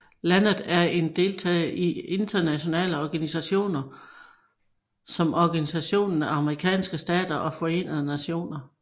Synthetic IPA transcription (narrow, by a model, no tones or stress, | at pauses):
lænð̩ˠæɐe̝nd̥e̝lt͡sʰɛ̰ːʔie̝nd̥ɐnæɕo̝nɛ̰ːləɒɡ̥ænisæɕo̝̰ːnɐ | sɒ̽mɒɡ̥ænisæɕo̝̰ːnn̩æɑ̈məʁikʰɛ̰ːnsɡ̥əsd̥ɛ̰ːd̥ɐʔɒ̽fɒ̽e̝̰ːnəð̞ˠənæɕo̝̰ːnɐ